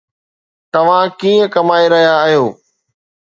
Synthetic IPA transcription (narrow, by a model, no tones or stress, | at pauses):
t̪ɐʋ̤ãkiːə̃kɐmaːeɾɐɦijaːɦijoː